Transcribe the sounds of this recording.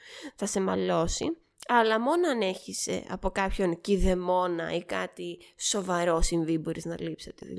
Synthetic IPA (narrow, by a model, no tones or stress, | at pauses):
θɐse̞mɐlo̞si | ɐlɐmo̞noɐne̞çise̞̰ɐ̰po̞kɐpço̞nciðe̞mo̞nɐ̰ikɐt̪iso̞vɐɾo̞sinvibo̞ɾiznɐlipset̪ḛ